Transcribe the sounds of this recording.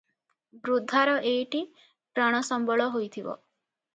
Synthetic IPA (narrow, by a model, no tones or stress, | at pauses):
bɾud̪ʱːaɾɔʔejʈi | pɾaɽ̃ɔsɔmbɔɭɔɦojt̪ʰibɔ̰